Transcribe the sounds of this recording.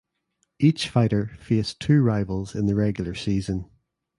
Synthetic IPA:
ʔit͡ʃfaɪʔə˞festʰʉːɹaɪvəlˠzɪ̃nðəɹɛɡjl̩ˠə˞siːzə̃n

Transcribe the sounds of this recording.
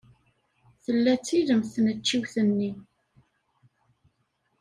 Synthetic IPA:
θəlːæt͡sːiðəmθnət͡ʃːiwθənːi

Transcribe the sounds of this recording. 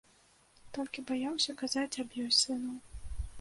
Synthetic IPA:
t̪ɔlʲkʲibajawsʲɐkazat͡sʲabjɔjsɨnɐw

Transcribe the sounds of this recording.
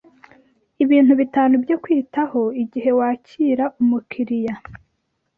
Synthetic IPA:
iβiːn̥huβitaːnubjokwiːtaho̞iɟiɦe̞waːcʰiːɾaʔumukʰiɾija

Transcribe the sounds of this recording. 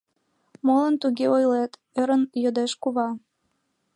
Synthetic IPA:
molənt̪uɣeojlet̪ | øɾənjod̪eʃkuβɑ

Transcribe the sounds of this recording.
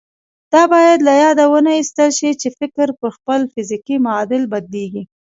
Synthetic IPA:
d̪̥ɑbɑjad̪lajɑd̪awənaist̪əlʃit͡ʃefɪkɾpəɾxpəlfɪzikimaɑd̪ɪlbad̪leɡi

